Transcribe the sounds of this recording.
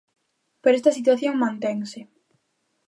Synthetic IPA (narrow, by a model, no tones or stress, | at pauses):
peɾest̪ɐsit̪waθjoŋmãnt̪eŋsɪ